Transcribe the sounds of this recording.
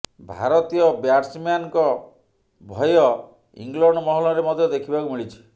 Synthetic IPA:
bʱa̰ɾɔt̪ijɔbjaɾsmjankɔ | bʱɔjɔ | ḭŋɡlɔɳɖɔmɔɦɔlɔɾemɔd̪ʱjɔd̪ekʰibakumiɭit͡ʃʰi̥

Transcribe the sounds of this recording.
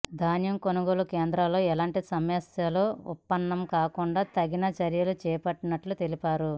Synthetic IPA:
d̪ʱaːnjɐmkonuɡoːlukeːnd̪ɾalo̞ːɛlaːɳʈisɐmjɐsjɐloːṵpːɐnːɐmkaːkuɳɖaːt̪ɐɡinɐt͡ʃɐɾjɐlut͡ʃɛːpɐʈːinɐʈlut̪e̞lipaːɾu

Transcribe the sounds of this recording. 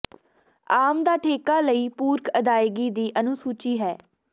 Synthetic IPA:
aːmd̪aːʈʰeːkaːləiːpuːɾkəd̪aːɪɡiːd̪iːʔənũːsuːt͡ʃiːɦɛː

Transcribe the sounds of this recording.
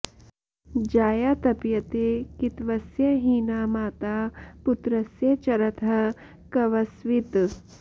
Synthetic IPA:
d͡ʒaːjaːt̪ɐpjɐt̪eːkɪt̪ʋɐsjɐɦiːnaːmaːt̪aːpʊt̪ɾɐsjɐt͡ʃɐɾɐt̪ʰɐ | kɐʋɐsʋɪt̪

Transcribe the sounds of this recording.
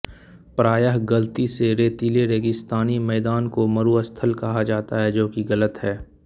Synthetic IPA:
pɾaːjəɦɡɐlt̪iseɾeːt̪iːleɾeːɡɪst̪aːnimɛːd̪aːnkomɐɾuəst̪ʰəlkɐɦad͡ʒaːt̪aɦɛd͡ʒoːkiɣɐlət̪ɦɛː

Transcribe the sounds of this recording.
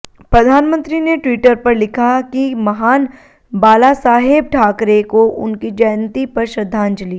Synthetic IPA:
pɾɐd̪ʱaːnmə̃nt̪ɾineʈwiːʈəɾpɐɾlɪkʰakimɐɦaːn | baːlasaːɦɪb̚ʈʰaːkɾekoʔʊ̰nkid͡ʒɐjnt̪ipɐɾʃɾɐd̪ʱːãːnd͡ʒəliː

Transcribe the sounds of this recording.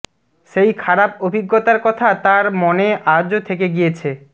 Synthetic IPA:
ʃejkʰaɾapobʱiɡːot̪aɾkɔt̪ʰat̪aɾmoneʔaod͡ʑot̪ʰek̬eɡijet͡ɕʰe

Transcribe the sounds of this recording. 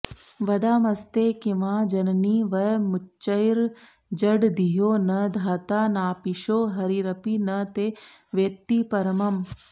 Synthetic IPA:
ʋɐd̪aːmɐst̪eːkiʋãːd͡ʒɐnniːʋɐjmut͡ʃːɐjɾ | d͡ʒɐɖd̪iɦoːnɐd̪ʱaːt̪aːnaːpiʃoːɦɐɾiɾɐpiːnɐt̪eː | ʋet̪ːipɐɾɐmɐm

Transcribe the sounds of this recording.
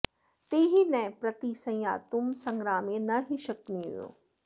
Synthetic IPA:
t̪eːɦinɛpɾɐt̪isɐ̃ja̰ːt̪ʊmsɐ̃ŋɡɾaːmẽnɐɦiʃɐkniṵjo̰ː

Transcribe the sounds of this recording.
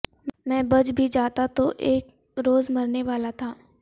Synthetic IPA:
mɛ̃ːbɐd͡ʒbʱid͡ʒaːt̪at̪oʔeːk | ɾoːzmɐɾneʋaːlat̪ʰaː

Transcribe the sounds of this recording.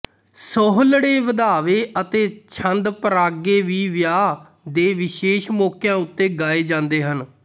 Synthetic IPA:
sɔːɦlɽeːʋəd̪aːʋeːʔət̪eːt͡ʃʰənd̪pəɾaːɡeːʋiːʋjaː | d̪eːʋɪʃeːʃmɔːkjãːʊt̪ːeːɡaːeːd͡ʒãːnd̪eːɦən

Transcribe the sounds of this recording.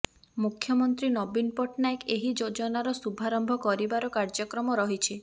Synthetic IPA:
mukʰːjɔmɔnt̪ɾinɔbinpɔʈnaekeɦid͡ʒod͡ʒɔnaɾɔsubʱaɾɔmbʱɔkɔɾibaɾɔkaɾd͡ʒɔkɾɔmɔɾɔɦit͡ʃʰi

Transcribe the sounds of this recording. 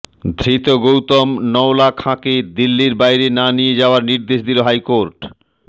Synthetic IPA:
d̪ʱɾit̪oɡowt̪omnɔwlakʰãked̪ilːiɾbajɾenanijed͡ʑaoaɾniɾd̪eʃd̪iloɦajkoɾʈ

